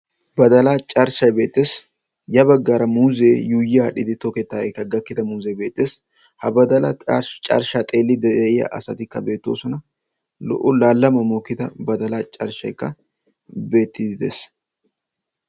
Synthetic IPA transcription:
bɐd̪ɐlat͡ʃʼɐɾʃɐjbe̞ːt̪ːeːs | jɐbɐɡːaːɾɐmuːze̞ːjuːjaɗɪd̪ɪt̪okɛt̪ːaɛkːɐɡɐkːɪt̪ɐmuːzejbe̞ːt̪ʼːeːs | hɐbɐd̪ɐlɐt͡ʃʼɐ̰ɾʃaːt̪ʼe̞ːlːɪd̪ɛɪjɐ̰ʔɐsɐt̪ɪkːɐbe̞ːt̪ːo̞̰ːsɔnɐ | lɔ̰ʔʊlaːlːɐmɐmoːkːɪt̪ɐbɐd̪ɐlaːt͡ʃʼɐɾʃɐ̰jkːɐ | be̞ːt̪ːɪd̪ɪd̪ḛs

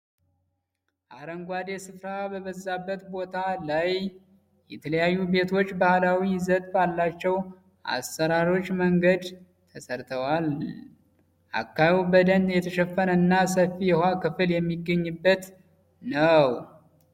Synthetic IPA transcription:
ʔaɾəŋɡʷad̪e̞sɨfɾabəβəzːabːət̪bo̞t̪ʰalaj | jɛt̪ʰələjajːube̞t̪ʰo̞t͡ʃːbahlawizət̪balːat͡ʃːɛw | ʔa̰stəɾaɾo̞t͡ʃːməŋɡəd̪ | t̪ʰəsəɾt̪ʰəwal | ʔa̰kːajubəd̪ənjɛt̪ʰəʃɛfːənəɨnːasəfijɛhakɨfɨljɛmːiɡːəɲːɨbːət̪ | nəw

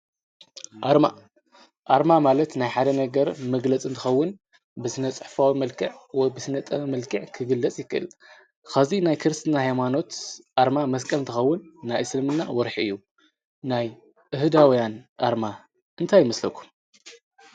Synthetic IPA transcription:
ʔaɾma | ʔaɾmamalɐt̪najħad̪ɐnɐɡɐɾmɐɡlɐt͡sʼɨnt̪ʰɨxɐwːʊn | bɨsɨnɐt͡sʼɨħfawimɐlkʰɨʕwɔjbɨsɨnɐt̪ʼɐmɐlkʰɨʕkʰɨɡɨlːɐt͡sʼjɪkːɨʔɨ̰l | kazinajkʰɨɾɨst̪ʰnahajmano̞t̪ʔaɾmamɐskʼɐlɨnt̪ɨxɐwːʊnːajsɨlmɨnːa̰wɔɾħiɨjːu | naj | ʔɨɦɨd̪awjanʔaɾma | ʔɨnt̪ʰajːɪmɐslɐkʰu̥m

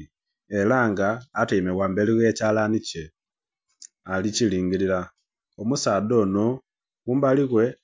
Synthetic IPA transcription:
elaŋɡaːtiːmewaːmbe̞liɣecaːlanice | aliciliːŋɡilila | omusaːdo̞ːno | ɣumbaliɣwe̞

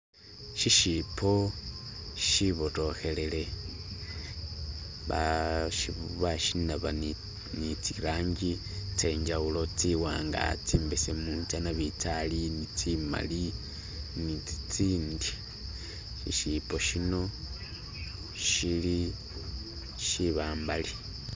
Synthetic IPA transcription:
ʃiʃipʰo | ʃiβoto̞xe̞lele | βaʃiββaʃinaβa | nit͡siɾaːɲɟi | t͡se̞ɲd͡ʒaulo̞t͡siwaːŋɡa̰t͡siːmbesemunt͡sanaβitalinit͡sima̰li | niit͡siːndi | ʃḭʃipo̞ʃino̞ | ʃili | ʃiβaːmbali

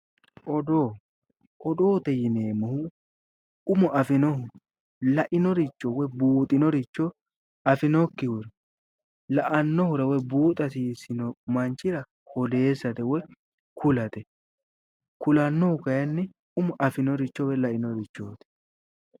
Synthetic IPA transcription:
ʔɔd̪oː | ʔɔd̪oːt̪ɛjɪneːmɐhʊ | ʊmɔʔɐfɪnɔhʊ | lɐʔɪnɔɾɪt͡ʃːɔwɔjbuːt̪ʼɪnɔɾɪt͡ʃːɔ | ɐfɪnɔkːɪhʊɾɛ | lɐʔɐnːɔhʊɾɐwɔjbuːt̪ʼɐsiːsɪnɔmɐnt͡ʃːɪɾɐ | hɔd̪e̞ːsːɐt̪ɛwɔj | kʰʊlɐt̪ɛ | kʊlɐnːɔhʊkɐjɐnːɪ | ʊmɔʔɐfɪnɔɾɪt͡ʃːɔwɛlɐʔɪnɔɾɪt͡ʃːoːt̪ɛ̥

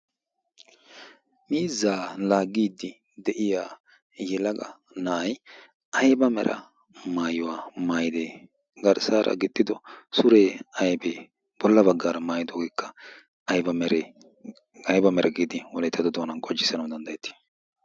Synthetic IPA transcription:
miːzːaːlaːɡːiːd̪ɪ | d̪ɛʔɪjaː | jɛlɐɡɐ | nɐʔɐj | ʔɐjbɐmɛ̰ɾɐ̰ | maːjʊwaːmaːjɪd̪eː | ɡɐɾsaːɾʔɐ̰ɡɪt̪ːɪd̪ɔsʊɾeːɐjbeː | b̥ɔlːɐbɐɡːaːɾɐmaːjɪd̪oːɡekʰːɐ | ɐjbɐmɛɾɛ | ɐjbɐmɛɾʔɐɡiːd̪ɪwɔlɛt̪ʰːɐd̪ɔd̪oːnɐnkʼɔd͡ʒːɪsːɐnɐwd̪ɐnd̪ɐjɛt̪ʰːɪ̥

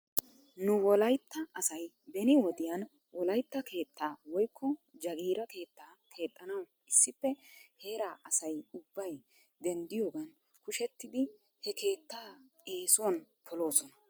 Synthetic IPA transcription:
nʊwɔlɐjt̪ːɐɐsɐj | bɛnɪwɔd̪ɪjɐn | wʔɔlɐjt̪ːɐke̞ːt̪ːaːwɔjkʰːɔd͡ʒɐɡiːɾɐke̞ːt̪ːaːkʰe̞ːt̪ʼːɐnɐw | ɪsːɪpːɛhe̞ːɾaːʔɐsɐjʊbːɐj | d̪ɛnd̪ɪjoːɡɐn | kʊʃɛt̪ːɪd̪ɪ | hɛkʰe̞ːt̪ːaː | e̞ːsʊwɐn | pʰɔlo̞ːsɔnɐ

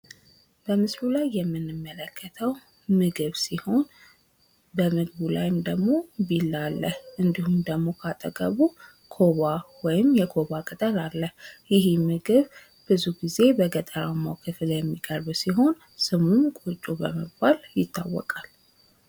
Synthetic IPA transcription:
b̥əmɨslulajːɛmːɨnːɨmːələkʰːət̪ʰəw | mɨɡɨβsiho̞n | bəmɨɡβula̰jɪmd̪əɡmo̞bilːalːəhʔɨnd̪ihumd̪əɡmo̞kʰat̪ʼəɡʼəβu | kʰo̞βawɔjɪmjɛkʰo̞βakʼət̪ʼəlalːəhjɪɦimɨɡɨβ | b̥ɨzuɡize̞bəɡət̪ʼəɾawmawkʰɨfɨljɛmːikʼəɾβsiɦo̞n | sɨmumkʼut͡ʃʼubəməbaljɪt̪ʰːawːɔ̰kʼal

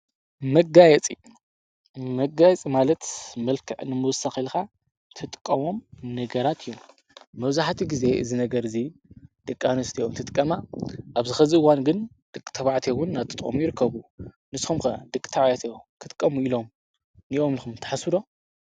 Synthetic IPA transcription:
mɐɡajɛt͡sʼḭ | mɐɡajɛt͡sʼimalɐt̪mɐlkʰɨʕnɨmɨwɔsaxilxa | t̪ʰɨt̪ʼkʼːɐmo̞mnɐɡɐɾat̪ʰijːomː | ɐβzaħt̪ʰiɡize̞ɨzinɐɡɐɾɨzid̪̥ɨkʼːanɐst̪ʰiomt̪ʰɨt̪ʼkʼːɐmaʔaβzɨxɐzɨʔɨwanɡɨn | d̪̥ɨkʼt̪ʰɐβaʕt̪ʰewʊnːat̪ʰɨt̪ʼɐ̰mujɪɾɨkːɐβu | nɨsxumkɐd̪ɨkʼt̪ʰɐβajat̪ʰejokʰɨt̪ʼkʼːɐmuilo̞m | niʔo̞mlɨxumt̪ʰɐ̥ħasuɾo̞

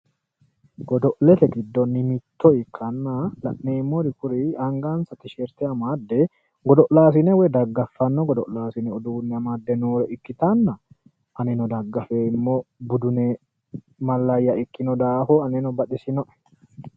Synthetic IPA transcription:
ɡ̥ɔd̪ɔʔlɛt̪ɛɡɪd̪ːɔnːɪmɪt̪ʰːɔɪkʰːɐnːalɐ̰ʔneːmːoɾɪkʊɾɪɐŋɡaːnsɐt̪ɪʃeɾt̪ɛɐmaːd̪ːɛ | ɡɔd̪ɔʔlaːs̬ɪnɛwɛd̪ɐɡːɐfːɐnːɔɡɔd̪ɔʔlaːsɪnɛɔd̪uːnːɛɐmaːd̪ːɛnuːɾɛʔɪkːɪt̪ɐnːɐ | ʔɐnɛnɔd̪ɐɡːɐfeːɪmːoːbʊd̪ʊne | mɐlːɐjːɐɪkːɪnɔd̪aːhoɐnɛnɔbɐᶑɪsɪnɔʔɛ̥

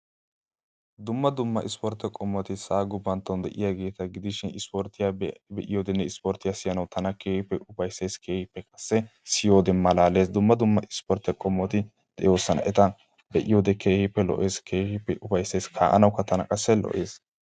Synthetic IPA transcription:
d̪ʊmːɐd̪ʊmːɐʔɪspɔɾt̪ɛkʼɔmːɔt̪ɪsaːɡʊbːɐnt̪ːɔnd̪ɛ̰ʔɪjaːɡe̞ːt̪ɐɡɪd̪ɪʃɪnɪspɔɾt̪ɪjabɛʔɪjoːd̪ɛnːɛɪspɔɾt̪ɪjaːsɪjɐnɐwt̪ʰɐnɐkeːhɪpːɛʔʊfɐjsːe̞ːskʰe̞ːhɪpːɛkʼɐsːɛsɪjo̞ːd̪ɛmːɐlaːle̞ːsd̪ʊmːɐd̪ʊmːɐʔɪspɔɾt̪ɛkʼɔmːɔt̪ɪ | d̪̥ɛ̰jo̞ːsːɐnɐ̰ʔɛt̪ɐ | bɛʔɪjo̞ːd̪ɛkʰeːhɪpːɛlɔ̰ʔe̞ːskʰeːhɪpːɛʔʊfɐjsːe̞ːskʰa̰ːʔɐ̰nɐwkːɐt̪ɐnɐkʼɐsːɛlɔ̰ʔe̞ːs

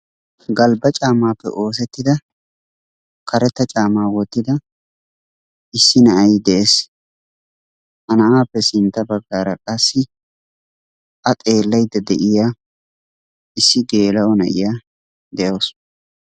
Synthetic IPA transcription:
ɡɐlbɐt͡ʃʼaːmaːpːɛ̰ʔo̞ːs̬ɛt̪ːɪd̪ɐ | kɐɾɛt̪ːɐt͡ʃʼaːmaːwɔt̪ːɪd̪ɐ | ɪsːɪnɐʔɐjd̪ɛʔeːs | hɐnɐʔaːpːɛsɪnt̪ːɐbɐɡːaːɾɐkʼɐsːɪ | ʔɐt̪ʼe̞ːlːɐjd̪ɐd̪ɛʔɪjaː | ɪsːɪɡe̞ːlɐɔnɐ̰ʔɪ̰jaː | d̪ɛʔows

